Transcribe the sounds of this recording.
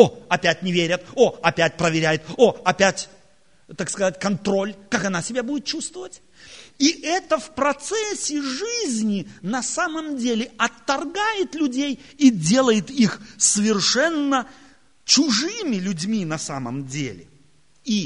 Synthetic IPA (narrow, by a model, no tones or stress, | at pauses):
oɐpʲætʲnʲɪvʲeɾʲət̪oɐpʲæt̚ʲpɾəvʲɪɾʲæjɪt̪oɐpʲætʲ | t̪akskɐzatʲkɐnt̪ɾo̞lʲkakɐnasʲɪbʲabudʲɪt̪̚t͡ɕust̪vəvətʲ | iʔɛt̪əfpɾɐt̪sɛsʲɪʐɨzʲnʲɪnɐsaməmdʲelʲɪɐt̪ːɐrɡajɪt̪lʲʊdʲej | idʲe̞lˠəjɪt̪ixsəvʲɪrʂɛnːə | t͡ɕʊʐɨmʲɪlʲʊdʲmʲinɐsamə̰mdʲḛlʲɪ̰ | i